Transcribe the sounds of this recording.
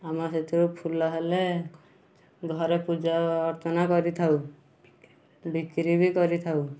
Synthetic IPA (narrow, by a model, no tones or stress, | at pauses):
amaset̪ʰuɾupʰulːaɦele | ɡʱɔɾepud͡ʒaɔɾt̪ɔnakɔɾit̪ʰaw | bikɾibikɔɾit̪ʰaw